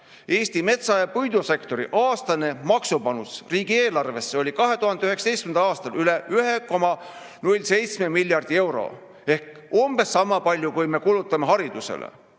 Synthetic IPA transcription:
e̞ːst̪ime̞t̪sɑjɑpujd̪use̞kt̪o̞ɾḭʔɑːst̪ɑne̞mɑksupɑnusriːɡ̥ie̞ːlɑrve̞sːeo̞lʲikɑɦe̞t̪uɦɑnd̪eyɦeksɑt̪ejst̪kmend̪ɑlɑːst̪ɑlʔyle̞ʔyɦe̞ko̞mɑ | nulʲse̞jt̪sme̞milʲːjɑrd̪̥ie̞wɾo̰ | e̞hkomb̥e̞sːɑmːɑpɑlʲjukujme̞kulut̪ːˑɑmeɦɑɾid̪̥use̞̰lḛ

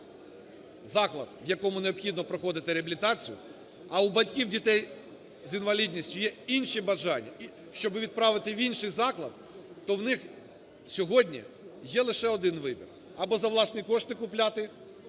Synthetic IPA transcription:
zɑklˠɐ̰d̪̥ʋjɐkɔmʊneɔpxʲid̪nɔpɾɔxɔd̪ɪt̪ɪɾeɐbʲilʲɪt̪ɑt͡sʲijʊ̰ | ɐubɐtʲkʲiwdʲit̪ɛj | zinʋɐlʲidʲnʲisʲtʲʊjɛinʃibɐʒɑnʲːɐ̰i | ʃt͡ʃɔbɪʋʲid̪̚pɾɑʋɪt̪ɪʋʲinʃɪjzɑklˠɐd̪ | t̪ɔwnɪx | sʲɔɦɔdʲnʲḭ | jɛlˠɪʃɛɔd̪ɪnʋɪbʲḭr | ɐbɔzɐwlˠɑsnijkɔʃt̪ɪkʊplʲat̪ɪ

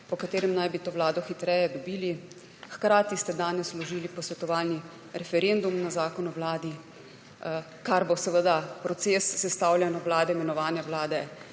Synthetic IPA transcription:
pɔkat̪eːɾɛmnajbit̪oːʋlaːd̪ɔxit̪ɾɛːjɛd̪ɔbiːli | xkɾaːt̪ist̪ɛd̪aːnɛslɔʒiːlipɔsʋɛt̪ɔʋaːlni | ɾɛfɛɾend̪umnazaːkɔnɔʋlaːd̪i | kaɾbosɛʋəd̪apɾɔt̪seːsːɛst̪awlʲjɛnɔwlaːd̪ɛimɛnɔʋaːnjɛwlaːd̪ɛ

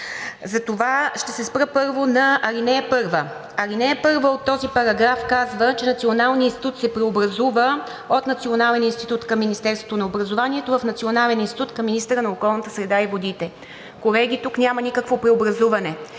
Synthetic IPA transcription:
zɐt̪ovaʃt̪ɛsɛspɾəpɤɾvonɐɐɾinɛəpɤɾvə | ɐɾinɛəpɤɾvəot̪ːɔzipɐɾɐɡɾafkazvət͡ʃɛnɐt̪sʲionalˠniinst̪i̥t̪ut̪sɛpɾɛobɾɐzuvə | ot̪nɐt̪sionalɛninst̪it̪ut̪kɐmːinist̪ɛɾst̪vot̪onɐobɾɐzovanʲiɛt̪ovɐfnɐt̪sionalɛninst̪it̪ut̪kɐmːinist̪əɾənɐokɔlˠnət̪əsɾɛd̪aivod̪it̪ɛ | kolɛɡʲit̪uknʲamɐnikəkvopɾɛobɾɐzuvɐnɛ

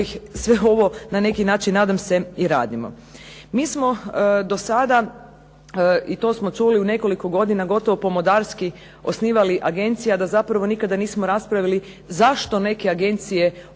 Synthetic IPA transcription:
sʋeo̞ʋo̞nane̞kinaːt͡ʃinːaːd̪amse̞iɾa̰ːd̪imo̞̰ | miːsmo̞d̪o̞sad̪a | it̪o̞ːsmo̞t͡ʃuliune̞ko̞liko̞ɡo̞d̪inaɡo̞t̪o̞ʋopo̞mod̪aːɾski | o̞sniːʋaliʔaɡe̞nt̪sijad̪azapɾaʋo̞nikad̪aniːsmoɾaspɾaʋili | zaʃt̪o̞ne̞ke̞aɡe̞nt̪sije̞

